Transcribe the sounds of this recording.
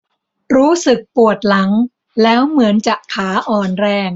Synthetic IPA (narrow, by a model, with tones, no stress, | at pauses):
ɾuː˦˥sɯ˨˩k̚pu˨˩ət̪̚la˩˦ŋ | lɛː˦˥wmɯ˩˦ənt͡ɕa˨˩kʰaː˩˦ʔɔː˨˩nɾɛː˧ŋ